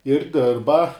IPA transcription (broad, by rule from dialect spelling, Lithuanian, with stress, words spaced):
ɪr ˈdʲɪrbɐ